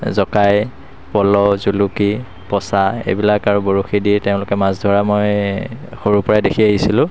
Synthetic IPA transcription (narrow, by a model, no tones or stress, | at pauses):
zɔkaj | pɔlɔzuluki | pɔsaḛjbilakaɹuboɹuxidiɹteʊ̃lʊkɛmazdʱɔɹamoj | xoɹupɔɹajdekʰiaɦisilʊ̃